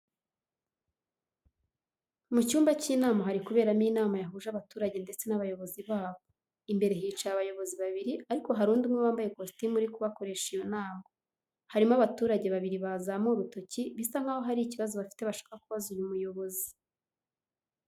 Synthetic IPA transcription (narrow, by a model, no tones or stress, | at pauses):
mucuːmbaciːnaːmaɦaɾikuβe̞ːɾamiːnaːmajaɦuːʒaβatuːɾaɟe̞nde̞t͡se̞naβajo̞βo̞ziβaːβo̞ | imbe̞ɾe̞ɦiːt͡ʃajaβajo̞βo̞ziβaβiɾiaɾiko̞ɦaɾuːndumŋeβaːmbaje̞kostimuɾikuβako̞ɾe̞ʃejonaːŋɡo | haɾimaβatuːɾaɟe̞βaβiɾiβazamoɾuto̞ciβisaŋ̥haːho̞ɦaɾiciβazoβafi̥te̞βaʃḁkakuβazujumujo̞βo̞zi